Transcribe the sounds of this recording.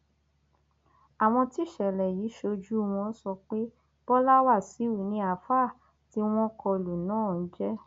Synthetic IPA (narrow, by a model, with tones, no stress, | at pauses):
a˨w̃ɔ̃˧ti˦˨ʃɛ˨lɛ˨jiː˨˦ʃo˧d͡ʒu˦w̃ɔ̃˧˦sɔ˧k͡pe˦ | b̥ɔ˦la˦wa˦˨si˨˦u˨nĩ˧a˨˦fa˦˨ | ti˦w̃ɔ̃˦kɔ˧lu˨nãː˦˨n̩˦d͡ʒɛ˦